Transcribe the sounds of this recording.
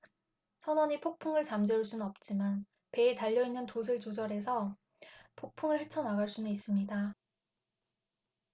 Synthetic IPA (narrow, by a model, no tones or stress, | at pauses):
sʰʌnwʌɲipʰok̚pʰuŋɯɭt͡ɕamd͡ʑeuɭs͈unnʌp̚t͡ɕ͈iman | pe̞ːtaʎːʌinːɯntosʰɯɭt͡ɕod͡ʑʌɾe̞sʰʌ | pʰok̚pʰuŋɯɭhe̞t͡ɕʰʌnaɡaɭs͈unɯis͈ɯmɲida